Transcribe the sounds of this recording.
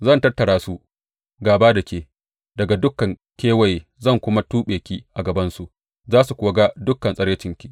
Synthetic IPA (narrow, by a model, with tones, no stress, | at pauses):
zɐ˦˨ntɐ˦rtːɐ˨ɽaː˦su˦ | ɡaː˨baː˦dɐ˨kʲeː˨ | dɐ˨ɡa˨dʊ˦kːɐ˨ŋ | kʲeː˦wɐ˨jzɐ˦˨ŋkʷʊ˦ma˦tuː˦ɓeː˨kʲiː˦ʔa˨ɡɐ˨bɐ˦nsu˨ʔ | zaː˦su˨kʷʊː˨˦ɡa˦dʊ˦kːɐ˨nsʼɐ˦ɽje˦t͡ʃɪ˦ŋkʲi˦